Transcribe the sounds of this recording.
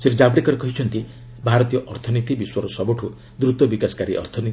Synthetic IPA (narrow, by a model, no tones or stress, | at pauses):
seʈed͡ʒabɽekɔɾekɔɦit͡ʃʰɔnt̪i | bʱaɾɔt̪ijɔʔɔɾt̪ʰɔnit̪ibiswɔɾɔsɔbɔʈʰu | d̪ɾut̪ɔbikasɔ̥kaɾiʔɔ̰ɾt̪ʰɔni